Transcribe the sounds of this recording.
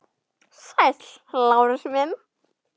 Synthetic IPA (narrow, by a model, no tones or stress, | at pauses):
sajt̪l | lawɾɪsmɛn